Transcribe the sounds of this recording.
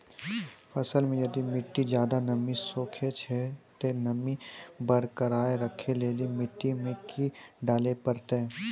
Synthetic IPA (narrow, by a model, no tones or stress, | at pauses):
fʰɐsəlmẽjɐd̪imɪʈːid͡ʒjaːd̪anɐmisoːkʰet͡ʃʰɛt̪enɐmibɐɾkəɾaːeɾəkʰeleːlimɪʈːimẽkʰiɖaːlepɐɾt̪eɛ